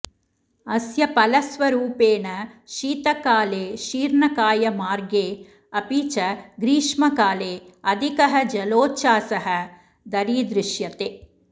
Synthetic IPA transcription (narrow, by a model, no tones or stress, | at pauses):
ɐsjɐpɐlɐsʋɐɾuːpeːnɐʃiːt̪ɐkaːleːʃiːɾɳɐkaːjɐmaːɾɡeː | ɐpiːt͡ʃɐɡɾiːʂmɐkaːleːɐd̪ʱikɐɦɐd͡ʒɐloːt͡ʃaːsɐɦɐ | d̪ɐɾiːd̪ɾɪʃjɐt̪eː